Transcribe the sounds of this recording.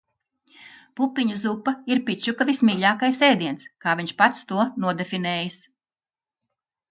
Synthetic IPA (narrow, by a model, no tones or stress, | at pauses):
pupːiɲuzupaiɾpit͡ʃukavismiːʎʲaːkajsɛːd̪iɛnskaːvʲiɲʃpat̪st̪uɔnuɔd̪efinɛːjis